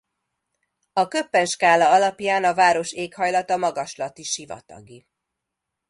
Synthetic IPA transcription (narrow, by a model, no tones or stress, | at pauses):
ɒkøpːɛnʃkaːlɒɒlɒpjaːnɒvaːɾo̞ʃeːkhɒjlɒt̪ɒmɒɡɒʃlɒt̪iʃivɒ̰t̪ɒ̰ɡi